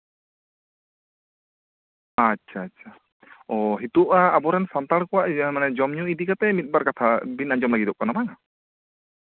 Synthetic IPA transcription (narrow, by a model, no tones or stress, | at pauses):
atːʃʰaːtːt͡ʃʰa | ɔɦit̪uʔaːbɔɾɛnsant̪aɽkɔwaʔmanɛd͡ʒɔmɲuid̪ikat̪ɛmit̪̚baɾkat̪ʰabinaɲd͡ʒɔmlaɡid̪ɔʔ̚kanamaŋa